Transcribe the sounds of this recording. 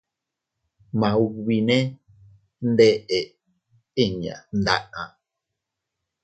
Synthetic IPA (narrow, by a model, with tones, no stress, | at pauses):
mã˨wi˨nẽ˦ | n̩˦de˦ʔe˨ | e˦˨ɲã̰˨n̩˦da̰˦ʔã̰˨